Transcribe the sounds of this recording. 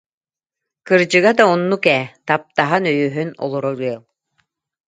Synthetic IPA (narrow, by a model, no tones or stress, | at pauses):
kɯɾd͡ʑɯɡad̪aɔnːukɛːt̪ap̚t̪aɦanœjøːɦynɔ̰lˠɔɾɔɾɯəlˠ